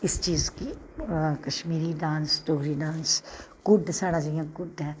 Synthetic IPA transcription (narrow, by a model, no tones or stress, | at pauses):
ɪst͡ʃiːzki | kɐʃmiːɾiɖãːnsʈoːɦɾiɖaːnskʊɖsɛːɽad͡ʒijãkʊɖɦɛː